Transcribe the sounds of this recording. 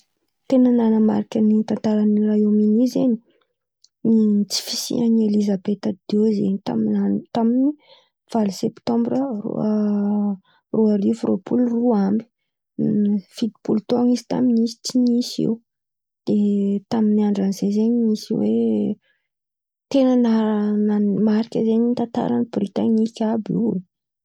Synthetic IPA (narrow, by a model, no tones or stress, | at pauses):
t̪enənanəma̰ɾikənint̪ant̪aɾanirajominizeni̥ | nit͡si̥fisḭanielizabet̪ad̪̥ewzḛnit̪a̰minant̪amini | v̥alisɛpt̪ɔ̃mbɾərṵ | ruaɾifrʔo̰pʰulruambi̥ | fid̪i̥pult̪oŋizi̥t̪a̰minisi̥t͡sinisḭu | d̪̥et̪aminiaɳɖ͡ʐanizezeɲmisiwe | t̪enənanamaɾikʲəzeɲint̪ant̪a̰ɾanibrit̪anikʲabḭ